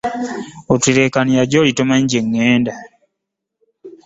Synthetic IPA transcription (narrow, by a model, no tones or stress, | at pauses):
otiɾe̞kanijaɟoːlitomaɲɟeŋːeːnda